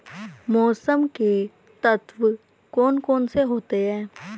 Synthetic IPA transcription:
mɔːsəmke | t̪ɐt̪ʋ | kɔːnkɔːnseɦoːt̪eɦɛ̃ː

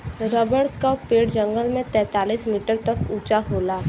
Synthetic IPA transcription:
ɾəbəɽkapːeːɽd͡ʒə̃ŋɡəlmẽt̪ɛ̃ːt̪aːliːsmiːʈəɾt̪ɐkuːt͡ʃaɦoːlaː

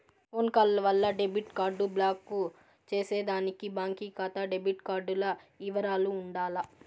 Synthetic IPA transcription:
foːnkɐllɐʋɐlːɐɖebiʈkaːɾɖublaːkːu | t͡ʃe̞ːse̞ːd̪aːnikibaːŋkiːkat̪ɐɖebiʈkaːɾɖulɐiʋɐɾaːluːɳɖaːlɐ

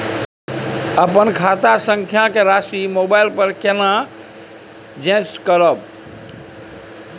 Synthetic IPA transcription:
əpənkʰaːt̪asə̃ŋkʰjakeɾaːsimoːbaːɪlpəɾkenã | d͡ʒẽːskəɾəb̚

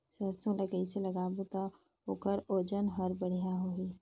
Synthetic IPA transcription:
səst̪ʰõləkəɪseləɡaːbut̪a | okəɾoːd͡ʒənɦəɾbəɽ̤ijaɦoi

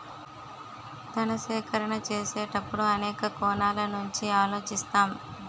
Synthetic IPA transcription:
t̪ɐnɐsɛːkʰɐɾɐɳɐt͡ʃeːseːʈɐpːuɽuɐnɛːkɐkɔːnaːlɐnuɲt͡ʃiaːlo̞ːt͡ʃist̪aːm

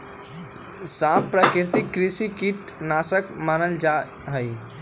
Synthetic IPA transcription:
saːmpɾaːkɪɾt̪ɪkːɾisikiʈ | naːsəkmaːnəld͡ʒaː | ɦəi

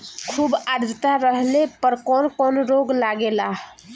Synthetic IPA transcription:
kʰubaɾd̪ʱt̪aɾəɦlepəɾkɔnkɔnɾoɡlaɡelaɦ

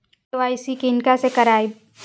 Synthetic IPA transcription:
ʋaːisikɪnkasekɐɾaːi

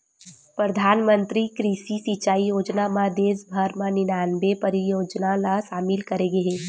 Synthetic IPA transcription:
pɾəd̪ʱaːnmə̃nt̪ɾikɾiːʃisit͡ʃaːijoːd͡ʒnamãd̪eːsbʱəɾmãnɪnaːnbepɐɾijoːd͡ʒnalaʃaːmɪlkɐɾeɡeɦeː

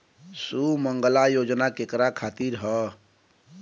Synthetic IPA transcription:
suməŋɡəlajod͡ʒnakekɾakʰat̪iɾɦə

